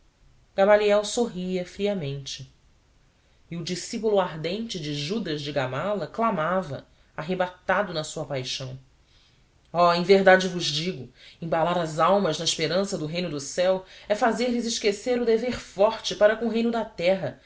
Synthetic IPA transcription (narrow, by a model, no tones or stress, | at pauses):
ɡ̥amaliɛwsoɦiɐfɾiɐmẽnt͡ʃɪ | iʊd͡ʒisipulʊaɾd̪ẽnt͡ʃɪd͡ʒɪʒud̪ɐzd͡ʒɪɡamalɐklamavɐ̰ | aɦebat̪ad̪ʊnɐsuɐpajʃɐ̃w̃ | ɔẽj̃veɦd̪ad͡ʒɪvʊzd͡ʒiɡʊĩbalaɾɐzawmɐznɐiʃpeɾɐ̃sɐd̪ʊɦejnʊd̪ʊsɛwɛfazeɾlɪzɪʃkeseɾʊd̪eveɾfɔɾt͡ʃɪpaɾɐkõʊɦej̃nʊd̪ɐt̪ɛɦɐ